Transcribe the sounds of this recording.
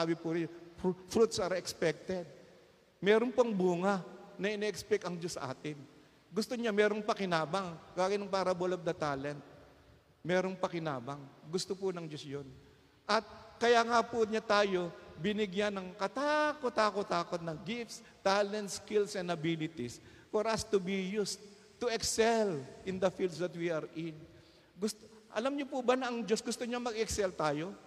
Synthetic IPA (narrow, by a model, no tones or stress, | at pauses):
aːbɪpʊɾ | fɾut̪̚sɐɾɛkspɛk̚t̪ɛd̪̚ | mɛːɾonpoʔɐŋbuːŋɐnɐʔɪnɛʔɛkspɛkɐŋd͡ʒosːɐ̰ʔa̰ːt̪ɪŋ | ɡʊst̪oɲamɛːɾoŋpɐkɪnaːbɐŋkaːɡɪnɐŋpaːɾɐbolob̚d̪ɐt̪aːlɛnt̪̚ | mɛːɾo̞ŋpɐkɪnaːbɐŋɡʊst̪opʊnɐŋd͡ʒosjon | ʔɐt̪̚kɐjaːŋapʊɲat̪aːjo̞bɪnɪɡjanɐŋkɐt̪akot̪aːkot̪aːko̞t̪̚nɐŋɡɪfts | t̪aːlɛnt̪skilsɛnd̪ɐbilɪt̪is | foɾʔɐst̪ʊbijus | t̪ːʊɛksɛlʔɪnd̪ɐfild̪sd̪ɐt̪wiɐɾʔɪn | ɡʊst̪ʔɐ̰lamɲopʊbɐnɐʔɐŋd͡ʒo̞sɡʊst̪oɲamɐɡɛksɛlt̪aːjo̞